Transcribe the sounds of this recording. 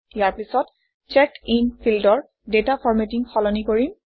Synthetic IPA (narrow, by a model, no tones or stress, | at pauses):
jaɹpisɔt | t͡ʃɛkinpʰildɔɹ | detapʰɔɹmetiŋxɔlɔnikoɹim